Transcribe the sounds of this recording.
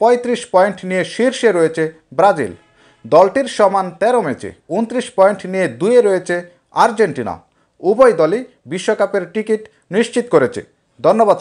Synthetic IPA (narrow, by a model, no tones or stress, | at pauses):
pɔjt̪ɾiʃpɔjɳʈnijeʃiɾʃeɾojet͡ɕʰe | bɾad͡ʑḭl | d̪ɔlʈiɾʃɔmant̪ɛɾomet͡ɕʰḛunt̪ɾiʃpɔeɳʈnijed̪ujeɾojet͡ɕʰe | aɾd͡ʑeɳʈina̰ | ubojd̪ɔli | biʃːokapeɾʈikiʈ | niʃt͡ɕit̪koɾet͡ɕʰḛ | d̪ʱonːobad̪